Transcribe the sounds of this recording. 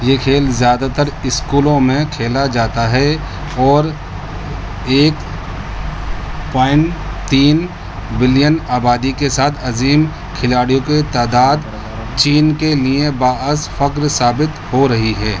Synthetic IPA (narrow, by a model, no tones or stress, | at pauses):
jekʰeːlzjaːd̪at̪əɾɪskuːlõmẽkʰeːlad͡ʒaːt̪aɦɛ | ɔːɾ | eːk | paːɪ̃ɳʈt̪iːn | bɪlijənaːbaːd̪ikesaːt̪ʰɐziːm | kʰɪlaːɽijõket̪aːd̪aːd̪ | t͡ʃiːnkeliẽbaːəsfɐkɾsaːbɪt̪hoɾɐɦiɦɛː